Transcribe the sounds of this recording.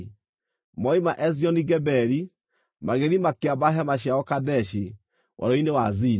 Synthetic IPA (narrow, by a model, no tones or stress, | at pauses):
mɔimaʔɛziɔniɡɛbɛɾi | maɣeɾimakeabaɦɛmaʃiaɔkadɛʃi | wʔa̰ɾɔinewazi